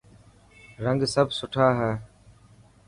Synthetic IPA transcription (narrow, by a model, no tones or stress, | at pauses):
ɾəŋɡsəbsʊʈʰaːɦɛː